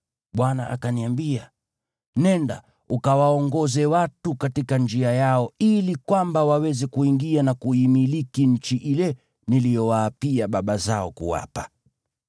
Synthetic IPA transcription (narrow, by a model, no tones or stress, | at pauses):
ɓwana̰ʔa̰kaniambia | nɛnda̰ | ukawaɔŋɡɔzɛwatukatikand͡ʒiajaɔilikwambawawɛzɛkuiŋɡianakuimilikiɲ̩t͡ʃiʔilɛ | nilijɔwaːpiaɓaɓazaɔkṵwa̰pḁ